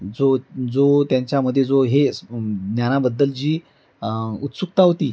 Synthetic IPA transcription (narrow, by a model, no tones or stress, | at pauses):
d͡zod͡zot̪jaɲt͡ɕjaməd̪ʱːjed͡zoɦeɡnjanabəd̪ːəld͡ʑiː | ut̪suk̚t̪aɦot̪iː